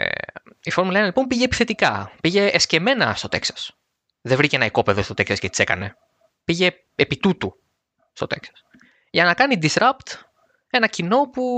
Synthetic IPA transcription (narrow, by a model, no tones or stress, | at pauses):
ifo̞ɾmulɐenlipo̞mpiʝeːpi̥θe̞t̪ikɐpiʝe̞ːsce̞me̞nɐst̪o̞t̪e̞̰ksɐ̥s | ðevɾiceenɐiko̞pe̞ðost̪o̞t̪e̞ksɐscet̪it͡se̞kɐ̰ne̞ | piʝe̞ | epit̪ut̪u | st̪o̞t̪e̞ksɐ̥s | ʝɐnɐkɐnid̪isɾɐpt̪ | e̞nɐcino̞pu